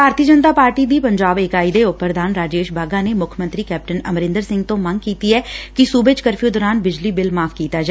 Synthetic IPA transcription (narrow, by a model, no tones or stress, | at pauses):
bʱaːɾt̪iːəd͡ʒənt̪aːpaːɾʈiːd̪iːpəɲd͡ʒaːbɪkaːiːd̪eːʊpːəɾd̪aːnɾaːd͡ʒeːʃbʱaːɡaːneːmʊkʰəmə̃nt̪ɾiːkɛːp̚ʈənə̰mɾɪ̃nd̪əɾsɪ̃ŋɡt̪õːməŋɡkiːt̪iːɛːkɪsuːbeːt͡ʃkəɾfʰiːd̪ɔːɾaːnbɪd͡ʒliːbɪlmaːfkiːt̪aːd͡ʒa